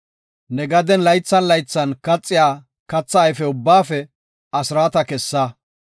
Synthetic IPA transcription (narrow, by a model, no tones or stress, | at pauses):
nɛɡɐd̪ɛnlɐjt͡sːɐnlɐjt͡sːɐnkɐt͡sʼːɪjaː | kɐt͡sːaːjfɛʊbːaːfɛ | ɐsɾaːt̪ɐkɛsːɐ